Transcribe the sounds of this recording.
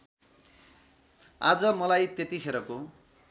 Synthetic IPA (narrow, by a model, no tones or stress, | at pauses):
ad͡zʌmʌlajt̪et̪ikʰeɾʌko